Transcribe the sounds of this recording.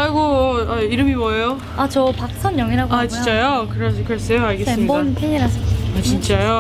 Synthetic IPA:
aɭɡoaiɾɯmiwʌjo | at͡ɕʌpak̚sʰʌnjʌŋiɾɦaɡat͡ɕit͡ɕ͈ajokɯɾeskɯɾes͈ejoaɭɡesɯmɲibʌntʰeɲiɾɦasʰɯk͈t͡ɕint͡ɕ͈ajo

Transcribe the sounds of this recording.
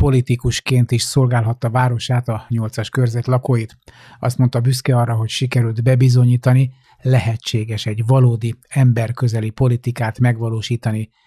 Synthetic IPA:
po̞lit̪ikuʃkeːnt̪iʃso̞lɡaːlɦɒt̪ːɒvaːɾo̞ʃaːt̪ɒɲo̞lt̪sɒʃkørzɛt̪lɒkoːjit̪ | ɒ̰st̪mont̪ɒbyskɛɒrːɒɦo̞cʃikɛɾyld̪bɛbizo̞ɲiːt̪ɒni | lɛɦɛt͡ʃːeːɡɛʃɛɟvɒloːd̪iɛmbɛrkø̞zɛlipo̞lit̪ikaːt̪mɛɡʋɒloːʃiːt̪ɒni

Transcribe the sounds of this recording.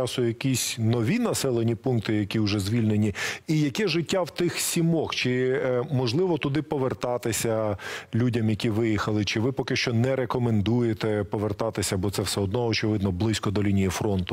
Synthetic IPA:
t͡ʃɑsʊjɐkʲisʲnɔʋʲinɐsɛlˠenʲipunk̚t̪ɪjɐkʲiʊʒɛzʲʋʲilʲne̞nʲiijɐkɛʒɪtʲːawt̪ɪxsʲimɔxt͡ʃɪmɔʒlˠɪʋɔt̪ʊd̪ɪpɔʋert̪ɑt̪ɪsʲɐlʲudʲɐmjɐkʲiʋɪjixɐlˠɪt͡ʃɪʋɪpɔkɪʃt͡ʃɔnɛɾekɔmend̪ujet̪ɛpɔʋert̪ɑt̪ɪsʲɐbɔt̪sɛwsɛɔd̪nɔɔːt͡ʃɪʋɪd̪nɔblˠɪsʲkɔd̪ɔlʲinʲijifɾɔnt̪ʊ

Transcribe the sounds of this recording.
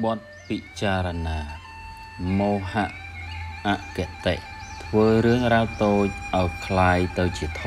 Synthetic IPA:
ɓŏət̪̚ | pit͡ɕaːɾɔnaː | moːhaʔʔaʔkeʔt̪eʔt̪ʰʋəːɾɨəŋraːwt̪oːc̚ʔaɔjkʰlaːjt̪ɨwt͡ɕiət̪ʰ

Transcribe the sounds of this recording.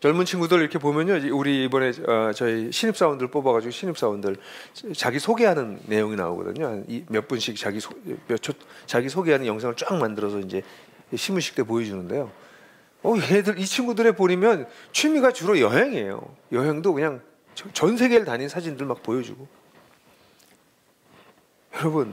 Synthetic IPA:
t͡ɕʌɭmunt͡ɕʰinɡudɯɾiɾʌkʰe̞pomjʌɲod͡ʑuɾiːbʌne̞ʌt͡ɕʌiɕʰiɲip̚s͈aundɯɭp͈obaɣad͡ʑiɡoɕʰiɲip̚s͈aundɯɭt͡ɕaɡisʰoɡeɦanɯnːe̞joŋina̰o̰ɡʌ̰dɯ̰ɲoanimjʌp͈unɕʰik̚t͡ɕaɡisʰomjʌt͡ɕʰot͡ɕaɡisʰoɡeɦanɯnjʌŋsʰaŋɯɭt͡ɕ͈aŋmandɯɾʌsʰʌind͡ʑe̞ | ɕʰimuɕʰi̥k̚t͈e̞pojʌd͡ʑunɯnde̞jo | ʌjedɯɾit͡ɕʰiŋɡudɯɾe̞poɲimjʌnt͡ɕʰimiɡat͡ɕuɾʌjʌɦeŋe̞jo̰ | jʌɦe̞ŋdokɯɲaŋ | ʌt͡ɕʌnsʰe̞ɡe̞ɭtaɲinsʰad͡ʑindɯɭmak̚pojʌd͡ʑṵɡo | jʌɾʌbɯn

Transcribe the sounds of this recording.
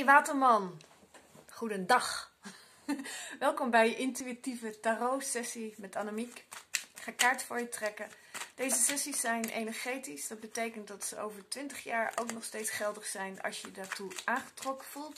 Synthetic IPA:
ʋaːtəɹmɑn | χudəndɑχ | ʋɛlˠkɔmbɛjəʔɪntyitivətarowsɛsimɛtaːnomikχaːkaːɹtfʊːɹjətrɛkə | d̥ejzəsɛsisːɛjnʔḛjnɛɹχejtisd̥ɑd̚bətejkəntdɑtsəo̰wvəɹtʋɪntəχjaːɹo̰wknɔχstejtsχɛlˠdəχsɛjnɑ̰lˠʃjədaːɹtuʔaːnχə̥trɔkəv̥ulˠt

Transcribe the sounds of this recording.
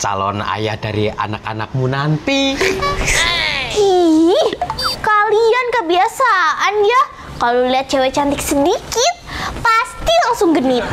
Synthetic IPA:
t͡ʃa̰lɔ̰na̰jahd̥aɾia̰nakanak̚munant̪i | i | kaliankəbiasaʔanja | kaloliat̪̚d͡ʒ̥awɛt͡ʃant̪ɪk̚sədikɪt̪̚past̪ilaŋsʊŋɡənɪt̪̚

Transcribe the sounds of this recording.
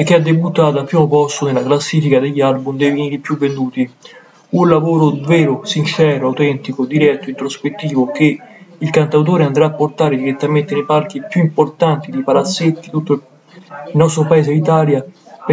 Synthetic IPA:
ek̟ːɪad̪ːebut̪ːaːt̪oapːɾiːmopɔst̪onelaklasːiːfikad̪eʎːalbumd̪ɛvivniːɾipjuvːend̪uːt̪i | unlavoːɾovɛːɾʊsint͡ʃɛːɾoawt̪ɛnt̪ikod̪iɾɛt̪ːoint̪ɾospet̪ːiːvok̟eilkant̪awt̪̬oːɾeand̪ɾaːpːort̪aːɾed̪iɾet̪ːament̪enepark̟ipjuimport̪ant̪id̪ipalat̪sːet̪ːit̪ut̪ːo | ilnːɔst̪ɾopaeːzeit̪aːlja

